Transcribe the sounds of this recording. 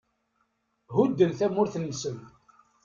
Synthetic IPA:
ɦud̪ːənθæmʊɾθənːəsən

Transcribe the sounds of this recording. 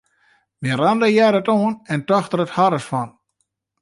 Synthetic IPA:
ʋirandəjɛɾətoənɛntɔxtərəthaɾəsfɔn

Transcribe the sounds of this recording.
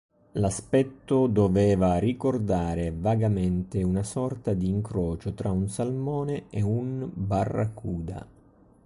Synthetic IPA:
laspɛt̪ːʊd̪ovɛːvarikord̪aːɾevaɡamɛnt̪ɪunasɔrt̪ad̪iːŋkɾɔːt͡ʃot̪ɾaunsalmɔːneeunbarːa̰kuːd̪a̰

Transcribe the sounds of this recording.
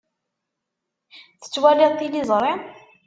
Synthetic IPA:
θə̥t͡sːwælɪðˤt̪ːilizˤɾˤe

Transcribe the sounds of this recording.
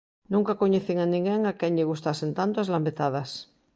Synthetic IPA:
nũŋkakoɲeθiŋanĩŋɡeŋakeŋʎeɣ̞ust̪asent̪ant̪oazlambet̪aðas

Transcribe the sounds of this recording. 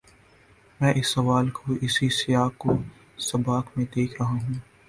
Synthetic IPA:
mɛ̃ːʔɪsːɐʋaːlkʰoʔɪsisɪjaːkːo | sɐbaːkmẽd̪eːkʰɾɐɦaɦũː

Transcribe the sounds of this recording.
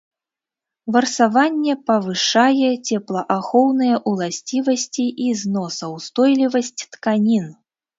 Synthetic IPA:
vɐrsavanʲːɛpɐvɨʂajɛt͡sʲɛplˠɐʔaxɔwnɨjɐʔulˠasʲt͡sʲivɐsʲt͡sʲiʔiznɔsɐwst̪ɔjlʲivɐsʲt͡sʲt̪kanʲin

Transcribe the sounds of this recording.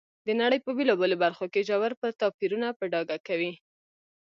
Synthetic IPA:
d̪ənaɽəjpəbelɑbəlobaɾxokeʒawaɾpəɾt̪ɑpiɾunapəɖɑɡakawi

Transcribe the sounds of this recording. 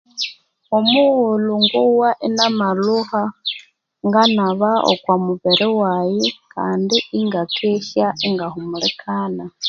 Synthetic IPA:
omuɣuluŋɡuwaʔenamaluha | ŋɡanaβao̰kwamuβeɾiwajekaːndiiŋɡakʰeʃaeŋɡahumulekʰaːna

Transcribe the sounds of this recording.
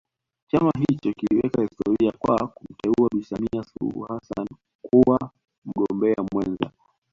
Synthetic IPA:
t͡ʃamaɦit͡ʃɔkiliwɛkahistɔɾiakwakum̩tɛuaɓisamiasulṵhasa̰n | kuwa | m̩ɠɔmbɛamwɛnza

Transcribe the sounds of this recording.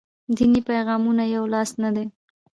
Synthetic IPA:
d̪inipajɣɑmunajawlɑsnad̪e

